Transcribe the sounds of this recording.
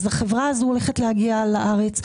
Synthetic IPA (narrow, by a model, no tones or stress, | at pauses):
zaχevʁaazuoleχetlehaɡialaʔaʁe̞t͡s